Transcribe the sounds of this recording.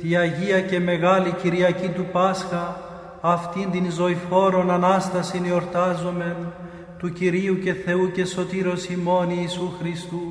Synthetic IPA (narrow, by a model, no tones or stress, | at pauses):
t̪iɐʝiɐce̞me̞ɣɐliciɾiɐcit̪upɐsxɐː | ft̪ind̪inzo̞ifo̞ɾo̞nɐnɐst̪ɐsinio̞ɾt̪ɐzo̞me̞n | t̪uciɾiuce̞θe̞uce̞so̞t̪iɾo̞simo̞niːsuxɾist̪u